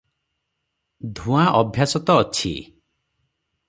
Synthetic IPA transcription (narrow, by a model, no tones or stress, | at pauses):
d̪ʱũaʔɔbʱjasɔt̪ɔːt͡ʃʰḭ